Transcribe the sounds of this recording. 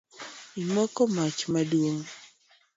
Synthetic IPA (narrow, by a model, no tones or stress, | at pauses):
imɔkɔmat͡ʃmadwoŋ